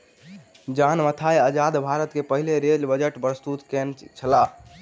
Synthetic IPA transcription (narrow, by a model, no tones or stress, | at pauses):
d͡ʒanmət̪ʰajəd͡ʒad̪bʱaɾət̪kepəɦileɾelbəd͡ʒəʈpɾəst̪ut̪kent͡ʃʰəla